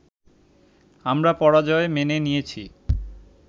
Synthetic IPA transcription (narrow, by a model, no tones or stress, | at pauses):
amɾapɔɾad͡ʑɔemenenijet͡ɕʰi